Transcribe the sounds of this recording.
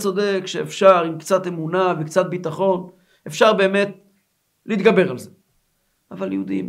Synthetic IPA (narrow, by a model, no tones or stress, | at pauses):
t͡so̞de̞kʃeːfʃaʁimkt͡sat̪e̞munavekt͡sat̪̚bit̪aχo̞n | efʃaʁbe̞ːme̞t̪̚ | liːt̪ɡabe̞ʁalze | avaljeud̪ḭm